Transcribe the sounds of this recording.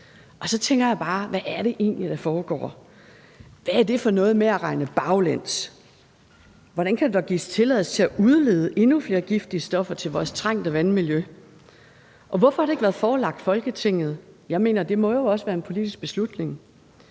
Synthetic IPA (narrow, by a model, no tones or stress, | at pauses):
ʔɒ̽sɒ̽t͡sʰeŋ̰ɡ̥ɐjɑ̈ɪb̥ɑ̈ːʋæʔæɐɾ̥e̝ʔe̝̰ːnlid̥æfɒːɡ̥ɒ̰ː | ʋææɐd̥e̝fɒ̽nɔ̽ːð̩ˠmeæʁɑ̈ɪnəb̥ɑ̈ʊlæn̰s | ʋɒ̽ɾ̥ænkʰæd̥ud̥ɒɡ̥ḭːst͡sʰe̝lɛð̰ˠst͡sʰe̝æʔuð̞ˠleːð̞ˠəʔe̝nufle̝ːɐɡ̥ifd̥iəsd̥ɒ̽fɐt͡sʰe̝lʋɒːst͡sʰʁɑŋ̰d̥əʋænmiljø | ʔɒ̽ʋɒfɒ̽hɑ̈ɾe̝ɡ̥ʋæːɐðˠfɒːlɑ̈ɡ̥d̥fɒ̽lɡ̥ət͡sʰe̝ŋ̰ð̩ˠjɑ̈ɪme̝̰ːnɐd̥e̝mɒ̽jo̝ɒ̽səʋæːɐenpʰo̝lid̥isɡ̥̚b̥e̝slud̥ne̝ŋ